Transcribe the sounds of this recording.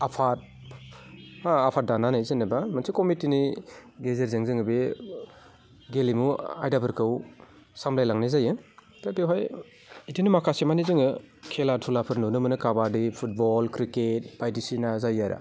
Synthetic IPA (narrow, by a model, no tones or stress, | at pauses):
apʰat̚ | haapʰat̚dananajzenɐbamɐnsikomitiniɡezeɾzeŋzɯŋɯbe | ɡelimua̰jdabɯɾkɯw | samlajlaŋnazajɯ | pɾapeɦaj | idinimakʰasemanizɯŋɯkʰelatʰulapʰɯɾnunɯmɯnɯkabadipʰut̚bɔlkɾiket̚bajdisinazajːaɾa̰